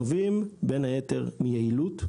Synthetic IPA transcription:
vimbenhajeteʁmijeilut

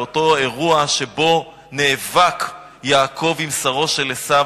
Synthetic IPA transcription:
oto̞e̞ʁuaʃe̞bo̞ | neːvak | jaːkʰo̞vimsaʁo̞ʃe̞lesa

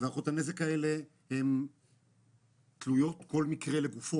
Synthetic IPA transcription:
veaχot̪ane̞zekae̞le | hem | t̪lujo̞t̪ko̞lmikʁe̞leɡufo

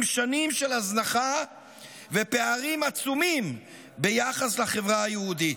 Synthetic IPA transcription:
mʃanimʃelaznaχa | vepeaʁimat͡sumim | bejaχaslaχevʁaajehud̪it

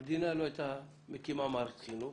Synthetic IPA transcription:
d̪inalɔt̪a | mikimamaɾkʰinu

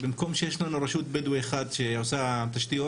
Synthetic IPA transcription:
bimko̞mʃejeʃlanuɾeʃut̪̚bed̪ueχad̪ʃeosat̪aʃt̪io

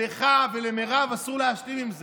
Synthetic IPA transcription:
eχavelemeʁavasuʁleaʃlimimze

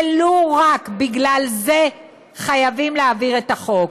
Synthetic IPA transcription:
loʁakbiɡlalze̞ | χajavimleaviʁet̪aχo̞k

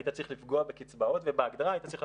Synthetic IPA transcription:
ajt̪at͡sʁiχlifɡoabekit͡sbaotvebeaɡdaʁajt̪at͡sʁiχ

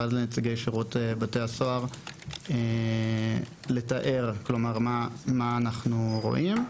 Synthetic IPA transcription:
adlenet͡siɡejʃeʁutebatejaso̞aʁe | le̞taʔe̞ʁklo̞maʁmamaːnaχnuʁo̞̰ʔim

